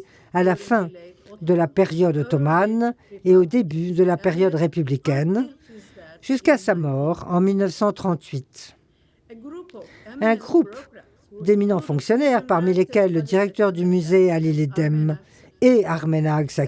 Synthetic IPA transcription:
alafɛ̃ | d̪əlapeʁjɔd̪ot̪ɔmaneod̪ebyd̪əlapeʁjɔd̪ʁepyblikʲɛn | ʒ̥yskasamɔʁɑ̃milnəfsɑ̃t̪χɑ̃t̪ɥit̪ | ɛ̃ɡʁup | d̪eminɑ̃fɔ̃ksjɔnɛʁpaʁmilekʲɛlːəd̪iʁɛk̚t̪œʁd̪ymyzealiled̪ɛm | eaʁmenaɡsa

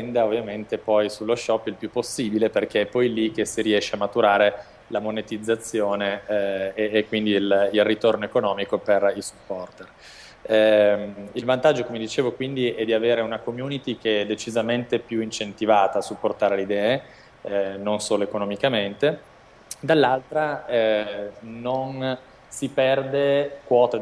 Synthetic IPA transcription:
ɛnd̪aovːjament̪epɔjsulːoʃɔpːilpjupːosːiːbileperk̟eɛpːɔjlik̟esiɾiɛʃːeamːat̪uɾaːɾe | lamonet̪id̪zːat̪sːjoːneː | kːwind̪ililrːit̪ornoekonɔːmikoperilsu̥pːɔrt̪er | milvant̪ad͡ʒːokomed̪it͡ʃeːvokwind̪iɛd̪iaveːɾeunakomjunit̪ik̟eɛd̪ːet͡ʃizament̪epjuint͡ʃent̪ivaːt̪aːsupːort̪aːɾeleid̪ɛːe | nonsoːloekonomikament̪e | d̪alːalt̪ɾaɛ | non | sipɛrd̪ekwɔːt̪e

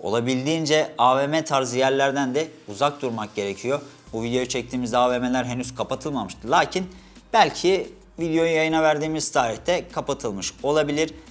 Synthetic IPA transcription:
o̞̰lˠabilʲd̪iːnd͡ʒɛaːvemɛt̪ʰaɾzijæɾlʲæɾd̪ænd̪ɛuzak̚d̪uɾmak̚ɟe̞ɾecʰijo | buvid̪ejo̞jut͡ʃʰɛc̚t̪ʰiːmizd̪ɛaːvemelʲæɾɦenyz̥kʰapat̪ʰɯlˠmamɯʃt̪ʰɯlˠaːcʰin | b̥ælʲcʰi | vid̪ejo̞jujajɯnavæɾd̪iːmiz̥t̪ʰaːɾiçt̪ʰɛkʰapat̪ʰɯlˠmɯʃo̞lˠabilʲiɾ̥

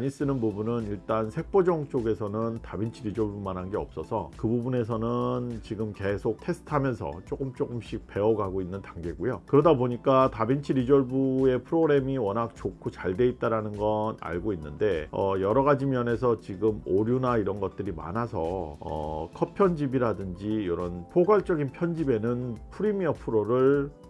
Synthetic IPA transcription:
ɲis͈ɯnɯnbubunɯniɭt͈ansʰe̞k̚p͈od͡ʑʌŋt͡ɕ͈oɡe̞sʰʌnɯntabint͡ɕʰiɾid͡ʑoɭbumanɦanɡe̞ʌp̚s͈ʌsʰʌkɯbubune̞sʰʌnɯnt͡ɕiɡɯmke̞sʰok̚tʰe̞sʰtʰamjʌnsʰʌ̰t͡ɕ͈okɯmt͡ɕ͈ok͈ɯmɕ͈ʰik̚pe̞ʌɡaɡoinːɯntaŋɡe̞ɡujokɯɾʌdaboɲik͈atabint͡ɕʰiɾid͡ʑʌɭbue̞pʰɯɾoɡɾe̞miwʌnak̚t͡ɕokʰut͡ɕaɭde̞it̚t͈aɾanɯnɡʌna̰ɭɡoinːɯnde̞ʌjʌɾʌɣad͡ʑimjʌne̞s̬ʰʌt͡ɕiɡɯmoɾjunaiɾʌnɡʌt̚t͈ɯɾima̰nasʰʌʌ̰kʰʌpʰjʌnd͡ʑibiɾadɯnd͡ʑijoɾʌnpʰoɡaɭt͡ɕ͈ʌɡinpʰjʌnd͡ʑibe̞nɯnpʰuɾimiʌpʰɯɾoɾɯɭ

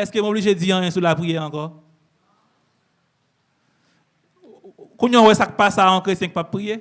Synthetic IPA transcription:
ɛskem̃obliʒed͡ziãjɛ̃sulapʁijɛʁɑ̃kɔ | kũɲɔ̃wɛsak̚pasaɔ̃kʁett͡sjɛ̃kəpab̚ːʁije

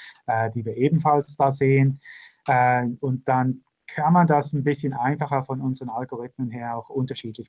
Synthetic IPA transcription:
ʔɛːdiːviːɐʔeːbm̩n̩falsd̥aːzeːənʔɛːʊnt̚d̥an | kʰanmandasnbɪsçənʔaɪnfaχɐfɔnʊnzəʁənalɡoʁɪtmənɦeːɐaʊxʔʊntɐʃiːtlɪç

